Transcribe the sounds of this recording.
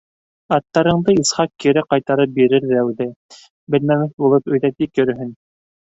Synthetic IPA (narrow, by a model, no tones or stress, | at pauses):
ɑt̪ːɑɾɤ̆ɴd̪ɤisχɑq̚kiɾɘqɑjt̪ɑɾɤp̚biɾɘɾðæwðɘ | bɘ̆lmæmɘθbulˠɤpɵ̆jðæt̪ikjɵ̆ɾɘ̆ɦɘn